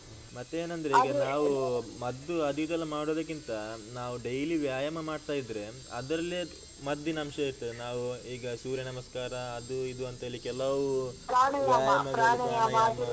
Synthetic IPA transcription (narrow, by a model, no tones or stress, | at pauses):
mɐt̪ːeeːnɐnd̪ɐɾeiːɡɐnaːʋumɐd̪ːuɐd̪ʱik̪ɛlːɐmaːɽod̪ɐk̬ːint̪ɐnaːʋuɖejliʋjaːjɐmɐmaːɖt̪aːjid̪ɾe̞ | ɐ̰d̪ɾɐlːe | mɐd̪ːinɐmʃɐiʈ̪ːunaːʋuiːɡɐsuːɾjɐnɐmɐskaːɾɐːd̪uid̪uɐnt̪eːlikɛlːɐʋupɾaːnɐʋjaːaːaɐmɐɾaːnɐjamaːd̪